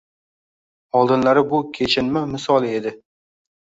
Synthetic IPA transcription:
ɒlˠd̪ɪnlaɾɪbʊkʲʰet͡ʃʰɪnmɪmɪsɒlˠe̞d̪ɪ

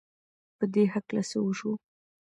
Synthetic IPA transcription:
pəd̪eɦaklasəuʃu

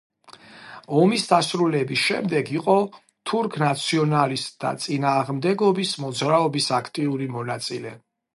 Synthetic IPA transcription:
ɔmisd̪asɾulɛbisʃɛ̰md̪ɛɡiqʼɔ | t̪ʰuɾkʰnat̪sʰiɔnalist̪ʼd̪a̰t̪sʼinaːʁmd̪ɛɡɔbismɔd̪zɾaɔbisakʰt̪ʼiuɾimɔnat̪sʼilɛ̰

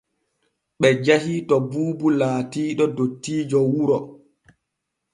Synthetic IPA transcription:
ɓɛd͡ʒahitɔbuːbulaːtiːɗɔdotːiːd͡ʒɔwuɾɔ

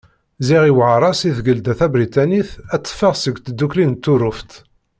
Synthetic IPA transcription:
ziʁiwʕaɾˤɑsiθɡəld̪æθæbɾit̪æniθæt͡sːə̥fəʁsəɡʷt̪əd̪ːuklint̪ːuɾʊft̪

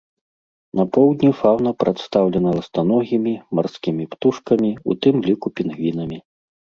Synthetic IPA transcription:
nɐpɔwd̪ʲnʲifawnɐpɾʔat̪st̪awlʲɛnɐlˠɐst̪anɔɣʲimʲimarskʲimʲipt̪uʂkɐmʲiṵt̪ɨmlʲikupʲinɣvʲinɐmʲi

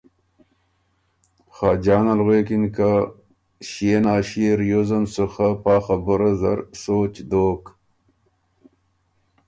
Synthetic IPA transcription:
xaːd͡ʑaːnalɣeːkinka | ɕenaːɕeɾjozɐmsuxapaːxɐbuɾazɐ̰ɾsoːt͡ɕd̪oːk

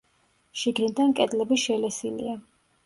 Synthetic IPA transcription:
ʃiɡnid̪ankʼɛd̪ʼlɛbiʃɛlɛsilḭa

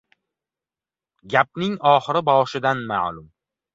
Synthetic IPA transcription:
ɡʲap̚nɪŋɒːχɪɾɪbɒʃɪd̪anma̰ʕlʊm

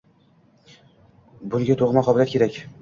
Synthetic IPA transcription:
bʊŋɡʲat̪ʰoʁmɑqʰɒbɪlʲˠat̪̚kʲeɾakʲ

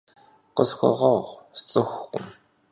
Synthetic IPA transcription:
qəsxʷɔ̰ʁɐʁʷst͡sʼɨxʷqʷʊm

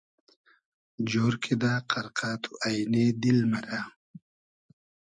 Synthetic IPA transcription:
d͡ʑoːɾkʰed̪aːqaɾqaːt̪ʰuʔajned̪ilmaɾa

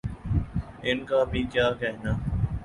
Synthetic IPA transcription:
ɪnkaːbʱiːkjaːkɛɦnaː

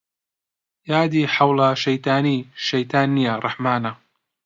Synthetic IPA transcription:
jaːd̪iːħawlɐʃɐjt̪aːniʃɐjt̪ʰaːnːijɐrˤɨħmaːnɐ

